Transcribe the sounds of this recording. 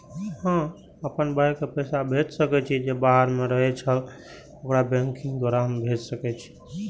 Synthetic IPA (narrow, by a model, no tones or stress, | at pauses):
ɦmɦã | əpənbakepɛsabʱet͡ʃsəkɛt͡ʃʰid͡ʒebaɦəɾmeɾəɦɛt͡ʃʰəl | okɾabɛ̃ŋkĩŋɡd̪waɾaɦəmbʱed͡ʒsəkɛt͡ʃʰi̥